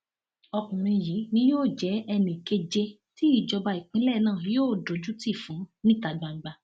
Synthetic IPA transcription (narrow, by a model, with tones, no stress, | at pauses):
ɔ˧kũ˨ɾ̃ĩ˧ji˨˦nĩ˦joː˦˨d͡ʒɛ˨˦ɛ˧nĩ˨ke˧d͡ʒe˧ | ti˨˦i˦˨d͡ʒɔ˧ba˧i˨k͡pĩ˨˦lɛ˦˨nãː˦˨joː˦˨do˨˦d͡ʒu˦ti˦˨fũ˨˦nĩ˦ta˨ɡ͡ba˨ŋ͡m̩˨˦ɡ͡ba˧